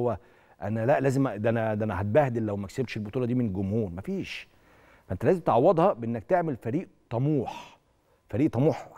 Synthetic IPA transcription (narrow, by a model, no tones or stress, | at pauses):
owːæ | ʔænælæʔlæːzemænæd̪ænæhæt̪̚bæːhd̪elːæwmæʔækseb̚t̪ʃelbot̪ˤuːlɑd̪iːmenɡomhuːnmæfiːʃ | fæʔent̪ælæːzemt̪eʕɑwːɑd̪hɑbeʔenːæk̚t̪eʕmelfæɾiːʔt̪ˤɑmuːħ | fæɾiːʔt̪ˤɑmuːħ